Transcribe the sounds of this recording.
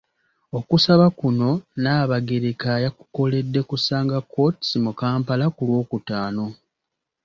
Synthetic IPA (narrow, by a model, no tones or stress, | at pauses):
o̞kusaβakuno̞naːβaɡe̞ɾekajaku̥ko̞le̞dːe̞kusaːŋɡakʰːo̞ti̥smukaːmpalakulwo̞ːkutaːno̞